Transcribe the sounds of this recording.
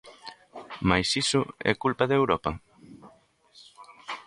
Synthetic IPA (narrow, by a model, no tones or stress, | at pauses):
majsisʊɛ̰kulpaðewɾɔpɐ